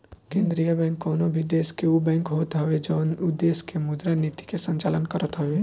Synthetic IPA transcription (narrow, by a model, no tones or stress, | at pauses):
kẽːnd̪ɾijəbɛ̃ːŋkːɔːnobʱid̪eːskeubɛ̃ːŋkɦoːt̪ɦɔʋed͡ʒɔːnud̪eːskemʊd̪ɾanit̪i̥kesə̃ɲt͡ʃaːlənkəɾət̪ɦɔʋe